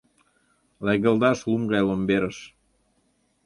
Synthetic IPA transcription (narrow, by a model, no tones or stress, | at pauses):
læɣəld̪ɑʃlumɡɑjlombeɾəʃ